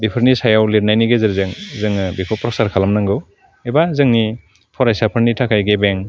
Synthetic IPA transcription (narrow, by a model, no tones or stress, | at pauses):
bipʰɯɾnisajawliɾnajniɡezɯɾzɯŋzɯŋɯbipʰɔpɾɔsaɾkʰalamnaŋɡɯw | ebazɯŋni | pʰɔɾajsapʰɯɾnitʰakʰajɡebeŋ